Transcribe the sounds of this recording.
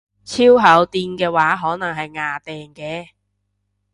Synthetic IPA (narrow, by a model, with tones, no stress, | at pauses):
t͡sʰiː˥wɦɐ˨˥wt̪iː˧nkɛː˧waː˨˥ɦɔː˨˥nɐ˨˩ŋɦɐ˨jŋaː˨˧t̪ɛː˨ŋkɛː˧